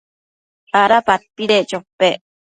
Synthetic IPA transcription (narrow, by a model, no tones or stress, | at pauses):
aɾapat̪ːiɾet͡ʃopːe